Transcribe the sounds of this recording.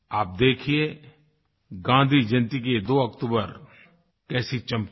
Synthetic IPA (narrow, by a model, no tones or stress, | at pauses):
aːp̚d̪eːkʰie | ɡãːnd̪ʱid͡ʒɐnt̪ik̬ed̪oːɐk̚t̪uːbəɾ | kɛːsit͡ʃɐ̃mp